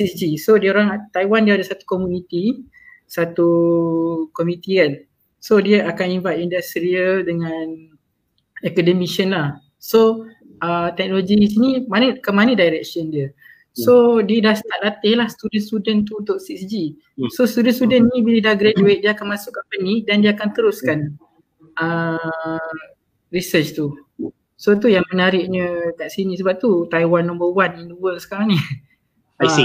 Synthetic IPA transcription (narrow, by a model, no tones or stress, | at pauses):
sisd͡ʒisodiəoɾaŋat̪ajwandiəadasat̪u̥komjunit̪i | sat̪u | kɔmĩt̪ikan | sodiəʔakanibat̪indast̪ɾiədəŋãn | ɛkədəmiʃənlah | so | ʔət̪ɛk̚noloɡiis̬inimanəkəmanədajɾɛk̚səndiə | sodiədahsət̪alat̪ɪhlahst̪udənst̪udənt̪̬uːnt̪ʊʔsiksd͡ʒi | sost̪udənst̪udənnibilədaɡɾed͡ʒuwediəakanmãsukːampənidandiəakant̪əɾʊskan | ʔə | ɾisət͡ʃt̪u | sot̪̬ujaŋmənaɾɪʔ̚ɲə̃kaʔsinisəbap̚t̪ut̪ajwanːɔ̃mbəwaninduwəlsə̥kaɾaŋni